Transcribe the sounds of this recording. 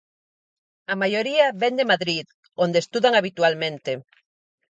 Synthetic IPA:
amajoɾiaβɛnd̪emaðɾið | ond̪est̪uðaŋaβit̪ualmẽnt̪e

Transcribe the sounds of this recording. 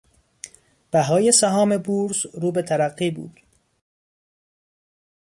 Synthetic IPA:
b̥æɦɒːjesæɦɒːme̞buːɾzɾuːbe̞t̪ʰæɾæɢːiːbṵːd̪̥

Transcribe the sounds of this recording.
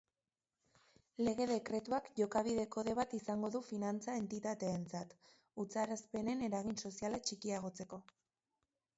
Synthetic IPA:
le̞ɣ̞e̞ðe̞kɾe̞t̪uakʝo̞kaβ̞iðe̞ko̞ðe̞β̞at̪isaŋɡo̞ðufinant͡sae̞nt̪it̪at̪e̞ːnt͡sat̪ | ut͡saɾaspe̞ne̞ne̞ɾaɣ̞inso̞sialat͡ʃikiaɣ̞o̞t͡se̞ko̞

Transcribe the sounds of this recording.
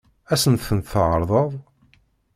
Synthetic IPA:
æsənθənt̪θʕəɾˤðˤəðˤ

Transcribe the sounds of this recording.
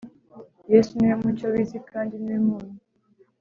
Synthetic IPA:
jesunemut͡ʃoβizikʰaːndinwemuːnu

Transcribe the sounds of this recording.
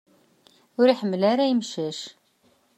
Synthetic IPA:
ʊɾiħəmːəlaɾæjəmʃæʃ

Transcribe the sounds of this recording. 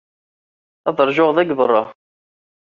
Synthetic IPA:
æðˤəɾˤʒʊʁðæɡbərˤːɑ

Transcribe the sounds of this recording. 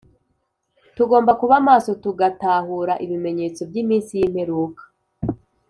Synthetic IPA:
tuɡo̞ːmbakuβamaːso̞tuɡataːhuɾaʔiβime̞ɲe̞ːt͡so̞bɟiːmiːnsijiːm̥he̞ɾuːkḁ

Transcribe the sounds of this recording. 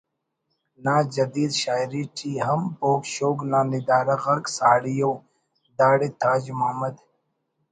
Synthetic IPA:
naːd͡ʒɐd̪iːd̪ɕaːjɾiʈʰiːɦɐmpoːkʃoːɡnaːnid̪aːɾɐɣɐɾksaːɽijoː | d̪aːɽit̪ʰaːd͡ʑmaːmɐd̪

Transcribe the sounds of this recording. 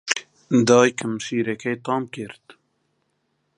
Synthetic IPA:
d̪ɑːjkʰəmʃiːɾɛkʰɛjt̪ɑːmkɪɾt̪

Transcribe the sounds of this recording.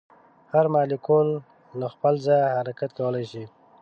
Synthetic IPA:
haɾmɑlikolː | axpəlzajhaɾakat̪̚kawəlajʃi

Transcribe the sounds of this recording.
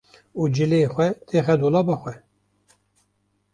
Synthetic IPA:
uːd͡ʒɨleːxʷɛt̪ʰeːxɛd̪oːlɑːbɑːxʷɛ

